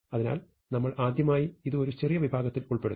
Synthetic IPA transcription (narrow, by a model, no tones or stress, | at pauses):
ɐðina̰ːl | nɐmːɐɭaːd̪jɐmaːjiiðɨo̞ɾut͡ɕerijɐʋibʱaːɡɐt̪ːiluɭpe̞ɽu